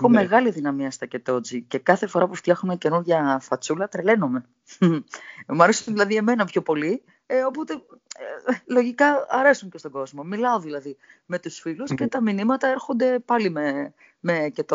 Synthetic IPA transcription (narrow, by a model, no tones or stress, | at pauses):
xome̞ɣɐliðinɐmiɐst̪ɐcet̪o̞d͡zice̞kɐθe̞fo̞ɾɐpuft̪jɐxunɐce̞nuɾʝɐfɐt͡sulɐt̪ɾele̞no̞me̞ | muɐɾesiot̪ðilɐðie̞me̞nɐpço̞po̞li | o̞po̞t̪e̞ | lo̞ʝikɐɐɾe̞suɲce̞st̪oɡo̞zmo̞milɐoðilɐðime̞t̪usfilusce̞t̪ɐminimɐt̪ɐeɾxo̞nd̪e̞pɐlime | me̞cet̪o